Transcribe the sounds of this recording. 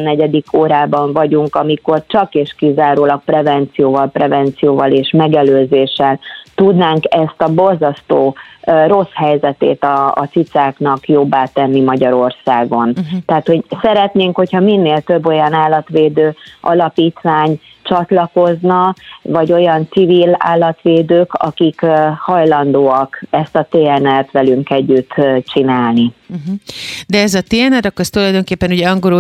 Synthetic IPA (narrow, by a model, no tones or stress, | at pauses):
nːɛɟɛd̪ikʰoːɾaːbɒɱvɒɟuŋkɒmiko̞rt͡ʃɒkeːʃkizaːɾoːlɒk̚prɛvɛnt̪sijoːvɒlprɛvɛnt̪sijoːvɒleːʃmɛɡɛløːzeːʃɛlt̪ud̪naːŋkɛst̪ɒbo̞lzɒst̪oːro̞shɛjzɛt̪ḛːt̪ɒ̰ːt̪sit̪saːknɒkjobːaːt̪ɛnːimɒɟɒɾo̞rsaːɡo̞nt̪ɛat̪ho̞ɟsɛɾɛt̪neːŋkho̞chɒminːeːlt̪øbːo̞jɒnaːlːɒt̪ʋeːd̪øːɒlɒpiːt̪ʋaːɲ | t͡ʃɒt̪lɒko̞znɒvɒɟo̞jɒnt̪sivila̰ːlːɒt̪ʋeːd̪øːkɒ̰kikhɒjlɒnd̪oːɒkɛst̪ɒt̪eːɛnɛlt̪ʋɛlyŋkɛɟːyt̪ːt͡ʃinaːlniɦ̩d̪ɛɛzɒt̪eːɛnɛɾɒkːoɛst̪ulɒjd̪o̞ŋkeːpːɛnuɟɛɒŋɡoɾo